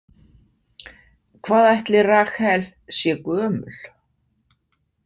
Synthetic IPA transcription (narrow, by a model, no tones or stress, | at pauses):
kʰvaːðajht̪lɪraːxhɛl | sjɛkœːmʏl̥